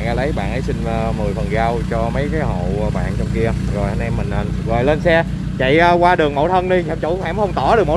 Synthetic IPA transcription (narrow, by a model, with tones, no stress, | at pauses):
nʔa˧˩lə˨˦jɓa̰ː˧˨nʔə˨˦jsï˧ŋ̟ː˧mɨ˨˩əjfə˨˩nɣaː˧wt͡ɕɔ˧mə˨˦jkaː˨˦jɦo̰˧˨˧ɓa̰ː˧˨nt͡ɕɔ˧wŋ͡mki˧əzo˨˩jha˧nʔɛ˧mːï˨˩ŋ̟ə˨˩n˨ɣo˨˩jle˧nsɛ˧ | t͡ɕḭ˧˨əː˧kwaː˧ɗɨ˨˩əŋmo̰˧˩wt̪ʰə˧nɗi˧a˨˧˦ŋ͡mt͡ɕʊ˧˦wfaː˧˥mxə˧wŋ͡mt̪ɔ˧˩ɗɨ˨˩əkmo˧˦